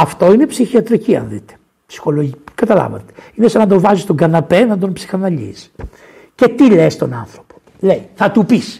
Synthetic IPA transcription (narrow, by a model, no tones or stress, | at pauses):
ɐft̪o̞ine̞psiçiɐt̪ɾiciɐ̰nðḭt̪e̥ | psi̥xo̞loʝikɐt̪ɐlɐ̰vɐ̰t̪e̥inesɐnɐd̪ovɐzist̪oŋɡɐnɐpenɐd̪o̞npsi̥xɐnɐʎḭs | ce̞t̪ilest̪o̞nɐ̰nθɾopo̥ | leiθɐt̪upis